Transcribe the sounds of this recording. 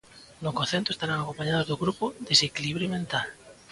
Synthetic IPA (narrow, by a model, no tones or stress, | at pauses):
nokonθent̪oest̪aɾaŋakompaɲaðozðoɣɾupod̪esekiliβɾimẽnt̪al